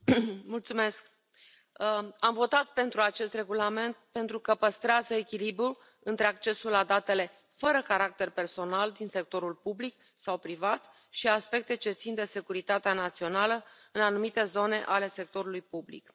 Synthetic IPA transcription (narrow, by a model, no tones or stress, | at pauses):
mult̪sume̞sk̚ | amvo̞t̪at̪pe̞nt̪ɾuat͡ʃe̞st̪re̞ɡulame̞nt̪̚pe̞nt̪ɾukəpəst̪ɾeazəekʲilibɾul | ɨnt̪ɾe̞akt͡ʃe̞sulːad̪at̪e̞le̞ | fəɾəkaɾak̚t̪e̞rperso̞nald̪inse̞k̚t̪o̞ɾulpublik̚ | sawpɾivat̪ | ʃiaspe̞k̚t̪e̞t͡ʃe̞t̪sind̪e̞se̞kuɾit̪at̪eanat̪sio̞nalə | ɨnanumit̪e̞zo̞ne̞ʔale̞se̞k̚t̪o̞ɾulujpublḭk